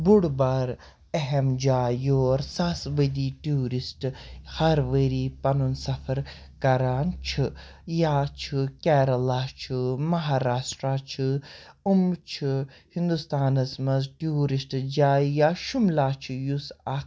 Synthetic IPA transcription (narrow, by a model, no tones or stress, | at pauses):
buɽbaːɾ | eɦemd͡ʒaːjoːɾsaːsʋəd̪iːʈuɾisʈhɐɾʋəɾiːpɐnunsɐfʰɐɾ | kɐɾaːnt͡ʃʰɨjaːt͡ʃʰɨkʲɛːɾɐlaːt͡ʃʰɨmɐɦaːɾaːsʈɾaːt͡ʃʰɨumt͡ʃʰɨhĩnd̪ust̪aːnɐsmɐzʈiuɾisʈd͡ʒaːjaːʃumlaːt͡ʃʰijusa